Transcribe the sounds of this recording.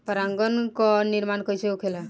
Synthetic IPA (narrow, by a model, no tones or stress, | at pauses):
pəɾãŋɡənkɔniɾmankəjt͡ʃʰeukʰela